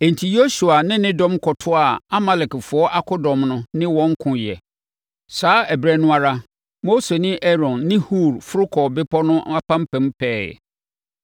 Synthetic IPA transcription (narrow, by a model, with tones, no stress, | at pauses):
ɛ˨n̩˨tʰi˨jo˦su˨a˨nɪ̃˦nɪ̃˦dɔ̃˦mkʰɔ˨tʰʊ˦a˨a˦ma˨lɛ˨kfʊ˨˦ɔ˦ʔa˦kʰʊ˦dɔ̃˨mnʊ̃˦nɪ̃˦wɔ̃˦ŋ˦kʰʊ̃˨jɛ̰˨ | saː˨˦ɛ˨bɾɛ˨nʊ̃˦a˨ɾa˦ | mo˦se˨nɪ̃˦ʔɛ˦ɾɔ̃˨nːɪ̃˦hu˦˨ɾfʊ˦ɾʊ˦kʰɔ˨bɪ˦pʰɔ˦nʊ̃˦a˦pʰã˦m̩˦pʰɛ̃˨˦mpʰɛ̰ː˦˨